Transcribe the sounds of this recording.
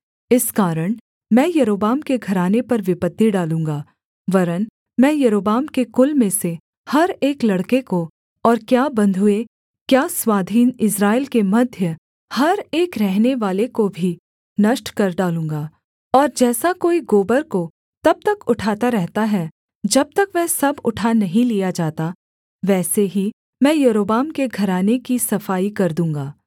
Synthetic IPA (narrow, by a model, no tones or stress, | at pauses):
ɪskaːɾəɽ̃ | mɛ̃ːjɐɾoːbaːmkeɡʱɐɾaːnepɐɾʋɪpət̪ːiɖaːlũːŋɡaː | ʋɐɾən | mɛ̃ːjɐɾoːbaːmkekʊlmẽse | hɐɾeːklɐɽkeko | ɔːɾkjaːbɐ̃nd̪ʱʊe | kjaːswaːd̪ʱiːnɪsɾaːɪlkemɐd̪ʱjə | hɐɾeːkɾɛɦneʋaːlekobʱi | nɐʃʈkɐɾɖaːlũːŋɡaː | ɔːɾd͡ʒɛːsakoːiɡoːbəɾko | t̪ɐb̚t̪ɐkʊʈʰaːt̪aɾɛɦt̪aɦɛ | d͡ʒɐb̚t̪ɐkʋɛːsɐbʊʈʰanɐɦĩlijad͡ʒaːt̪a | ʋɛːseɦi | mɛ̃ːjɐɾoːbaːmkeɡʱɐɾaːnekisɐfaːikɐɾd̪ũːŋɡaː